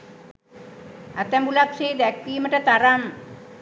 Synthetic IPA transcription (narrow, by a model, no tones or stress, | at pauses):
at̪æmbulakseːd̪ækːiːməʈət̪aɾam